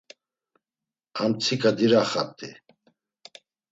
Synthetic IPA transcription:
amt͡sʰikʼad̪iɾaχa̰t̪ʼi

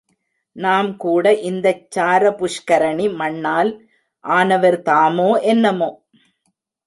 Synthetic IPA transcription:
naːmkuːɽɐʔɪnd̪ɐt͡ʃːaːɾɐpʊʂkɐɾɐɳimɐɳːaːl | ʔaːnɐʋɐɾt̪aːmoːʔɛnːɐmoː

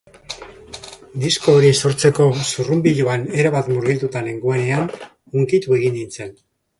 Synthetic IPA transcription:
d̪isko̞ːɾiso̞ɾt͡se̞ko̞surumbiʎoane̞ɾaβat̪muɾɣilt̪ut̪aleŋɡue̞ne̞an | uŋkit̪ue̞ɣ̞ind̪int͡se̞n

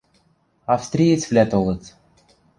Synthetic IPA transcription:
ɑfst̪ɾʲijet͡sʲvlʲæt̪olˠɤ̆t͡s

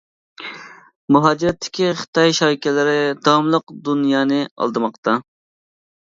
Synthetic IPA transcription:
muɦɑːd͡ʒiɾɛt̪ʰːɪ̥kʲʰiχə̥t̪ʰɑjʃɑjkʲɛlɪɾɪd̪ɑmlˠəqd̪unjɑːnɨɑ̰lˠd̪ɨmɑqt̪ʰɑ

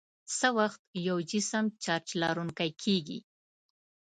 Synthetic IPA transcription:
səwaxt̪̚jawd͡ʒɪsəmt͡ʃɑɾt͡ʃlɑɾuŋkajkʰeɡḭ

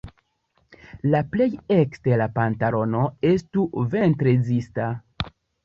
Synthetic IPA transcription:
laple̞jekstelapantalo̞no̞e̞stuve̞ntɾezista

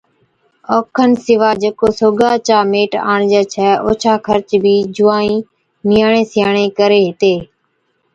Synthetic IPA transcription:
oːkʰənsɪʋaːd͡ʒeːkoːsoːɡaːt͡ʃaːmeːʈa̰ːɳd͡ʒɛːt͡ʃʰɛːoːt͡ʃʰaːkʰəɾt͡ʃbʱiːd͡ʒʊːaːĩː | mɪjaːɳẽːsɪjaːɳ̃ẽːkəɾeːɦɪt̪eː

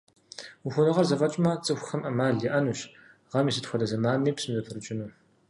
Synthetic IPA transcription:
uxʷʊnɨʁɐrzɐfɐt͡ʃʼmɐt͡sʼɨxʷʊxɐmʔɐmaːɮiʔɐnuːɕ | ʁɐmiːsɨtxʷɔdɐzɐmaːmiːpsɨmzɐpʰɨrɨt͡ʃʼɪnuː

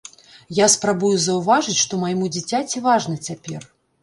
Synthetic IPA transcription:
jaspɾabujuzɐwvaʐɨt͡sʲʂt̪ɔmajmud͡zʲit͡sʲat͡sʲivaʐnɐt͡sʲapʲɛr

